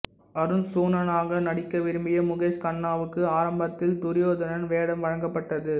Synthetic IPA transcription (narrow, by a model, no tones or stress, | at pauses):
ɐɾɯnsuːnɐnaːɣɐnɐɽɪkːɐʋɪɾɯmbɪjɐmʊɣeːskɐɳːaːʋɯkːɯaːɾɐmbɐt̪ːɪlt̪ʊɾɪjoːðɐnɐnʋeːɽɐmʋɐɻɐŋɡɐpːɐʈːɐðɯ